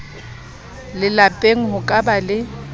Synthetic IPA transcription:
lɪlapʼeŋ̩ɦʊkʼabalɪ

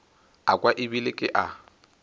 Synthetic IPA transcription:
akʼwaʔɪbilɪkʼɪʔa

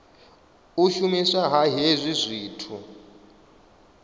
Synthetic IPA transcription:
uʃumisaɦaɦezʷizʷiːtʰu

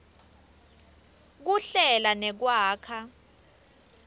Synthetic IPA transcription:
k̬uɬɛlanɛk̬waːkʰa

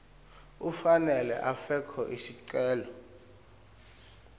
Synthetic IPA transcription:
ufanɛlɛ̰ʔafɛkʰɔʔisiǀɛːlɔ

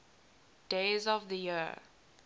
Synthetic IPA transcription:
d̥eɪzɔvðəji

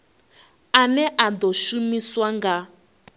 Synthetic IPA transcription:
anɛʔand̪ɔʃumiswaŋɡa

